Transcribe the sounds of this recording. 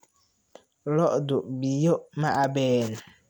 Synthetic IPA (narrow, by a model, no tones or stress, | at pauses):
lɔʔdʊʔbijomãʔabɛːnʊ